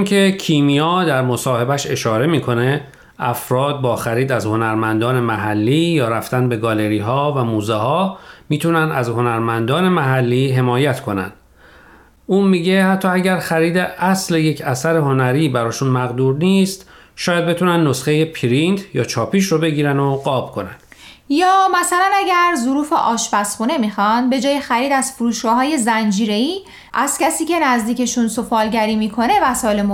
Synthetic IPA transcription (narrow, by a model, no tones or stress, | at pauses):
nkʰecʰiːmijɒːd̪æɾmo̞sɒːhe̞bæʃe̞ʃɒːɾe̞miːkʰo̞ne̞ | ʔæfɾɒːd̪̚bɒːxæɾiːd̪æzho̞næɾmænd̪ɒːne̞mæɦælːiːjɒːɾæft̪ænbe̞ɡɒle̞ɾiːɦɒːvæmuːzehɒːmiːt̪ʰunænd̪æzɦo̞næɾmænd̪ɒːne̞mæɦælːiːɦe̞mɒːjæt̪ʰkʰo̞næ̰nd̪̥ | uːnmiːɟe̞hæt̪ʰːɒːæɟæɾxæɾiːd̪eʔæslejecʰæsæɾeho̞næɾiːbæɾɒːʃunmæɣd̪uːɾniːst̪ | ʃɒːjæd̪̚be̞t̪ʰunænd̪ːosχe̞je̞pʰiɾind̪jɒːt͡ʃʰɒːpʰiːʃɾobe̞ɟiːɾænoɡɒːb̥kʰo̞næ̰n̥ | jɒːmæsælænæɟæɾzoɾuːfe̞̰ʔɒːʃbæsχuːne̞mixɒnd̪be̞d͡ʒɒːjexæɾiːd̪æz̥foɾuːʃɡ̥ɒːɦɒːje̞zænd͡ʒiːɾe̞iː | ʔæz̥cæsiːcʰe̞næzd̪iːce̞ʃunsofɒːlɟæɾiːmiːkʰo̞ne̞væsɒːjelemo